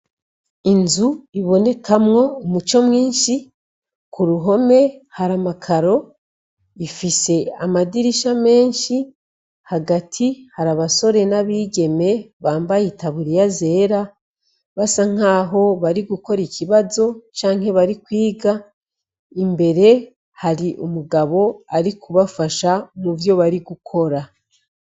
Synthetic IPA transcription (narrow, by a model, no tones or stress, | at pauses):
inzuiβo̞ne̞kʰamŋo̞umut͡ʃo̞mŋiːnʃi | kuɾuɦo̞me̞haɾamakʰaɾo̞ | ifise̞amadiɾiʃame̞ːnʃi | haɡatʰihaɾaβaso̞ɾe̞naβiːɟe̞me̞βaːmbajitaβuɾijaze̞ːɾa | βasaŋ̥aːɦo̞βaɾiɡuko̞ɾiciβazo̞t͡ʃaːŋ̥he̞βaɾikwiːɡa | imbe̞ɾe̞ | haɾiʔumuɡaβo̞aɾikuβafaʃamuvjo̞βaɾiɡukʰo̞ɾa